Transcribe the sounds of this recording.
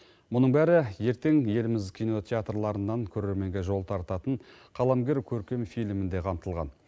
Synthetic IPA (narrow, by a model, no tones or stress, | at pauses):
mʊnəɴbæɾɪje̞ɾt̪e̞ŋje̞lɪmɪzkʲʰijno̞t̪ʰʲeat̪rlˠɑɾənːɑŋkʲʰɵɾe̞ɾme̞ŋɡʲe̞ʒo̞lˠt̪ʰɑɾt̪ɑt̪əɴ | qʰɑlˠɑmɡʲe̞ɾkʲʰɵɾkʲe̞mfijlmɪnd̪e̞qʰɑmt̪əlˠʁɑ̰n